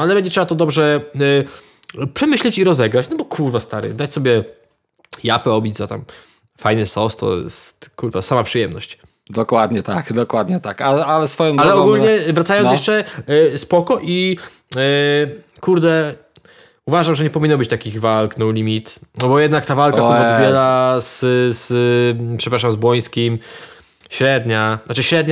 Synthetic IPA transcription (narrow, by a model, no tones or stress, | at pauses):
alɛbɛɲd͡ʑɛtʂɛbat̪ɔd̪ɔbʐɛ | pʂɛmɘɕlɛt͡ɕiɾɔzɛɡɾat͡ɕnɔbɔkʰuɾvast̪aɾɨ̰d̪at͡ɕsɔbʲjɛ | japɛɔbʲid͡ʑzat̪a̰m | fajnɨsɔst̪ʰːɔ̰jɛ̰st̪kuɾvasamapʂɨjɛmnɔ̰ɕt͡ɕ | d̪ɔkwad̪ɲɛt̪akd̪ɔkwad̪ɲɛt̪akaasfɔjɔ̃alɛɔɡulɲɛvɾat̪sajɔnsjɛɛsʂt͡ʂɛspɔkɔʔi | kuɾd̪ɛ | uvaʐamʐɛɲɛpɔvʲinːɔbɘt͡ɕt̪akʲiɣvalknɔwlʲimʲit̪nɔbɔjɛd̪nakt̪avalkaɔɔd̪bʲjɛɾazzpʂɛpɾaʂamzbwɔj̃skʲim | ɕɾɛd̪ɲanat͡ʂɘɕɾɛd̪ɲa